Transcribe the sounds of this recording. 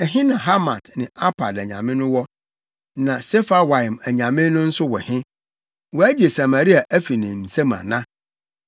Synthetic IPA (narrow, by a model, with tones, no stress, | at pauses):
ɛ˨ɦɪ̃˦nã˨ɦa˦ma˨tnɪ̃˨a˦pʰa˨dæ˨ɲã̰˨mɪ̃˦nʊ̃˦wɔ˦ | nã˨sɛ˦fa˦wa˨ɪ˨mæ˨ɲã˨mɪ̃˦nʊ̃˦n̩˦sʊ˦wɔ̰˨hɪ̃˦ | wɔ˨æ˦d͡ʑi˨e˨sa˨ma˨ɾi˦a˨ʔæ˦fi˨nĩ˨m̩˨se˦mã̰˨nã˦